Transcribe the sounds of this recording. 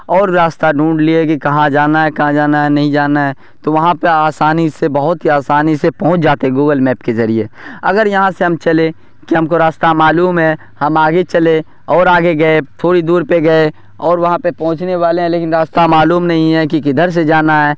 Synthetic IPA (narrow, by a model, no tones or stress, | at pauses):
ɔːɾɾaːst̪aɖũːɳɖliekikɐɦãd͡ʒaːnaɦɛkɐɦãd͡ʒaːnaɦɛnɐɦĩd͡ʒaːnaɦɛ | t̪oʋɐɦãpeaːsaːnisebɐɦʊt̪ɦiaːsaːnisepɐɦʊ̃t͡ʃd͡ʒaːt̪eɦɛ̃ɡuːɡəlmɛːpkezɐɾiḛɐɡəɾjɐɦãseɦɐmt͡ʃɐle | kiɦɐmkoɾaːst̪amaːluːmɦɛ | hɐmaːɡet͡ʃɐle | ɔːɾaːɡeɡɐet̪ʰoːɽid̪uːɾpeɡɐe | ɔːɾʋɐɦãpepɐ̃ɦʊ̃t͡ʃneʋaːleɦɛ̃leːkɪnɾaːst̪amaːluːmnɐɦĩɦɛk̬ikɪd̪ʱəɾs̬ed͡ʒaːnaɦɛː